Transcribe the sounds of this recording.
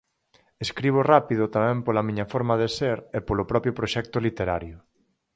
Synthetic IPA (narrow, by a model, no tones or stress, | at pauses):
eskɾiβ̞ʊrapiðʊt̪amɛ̃mpolamĩɲɐfɔɾmaðeseɾepolopɾɔpjʊpɾoʃɛk̚t̪ʊlit̪eɾaɾjʊ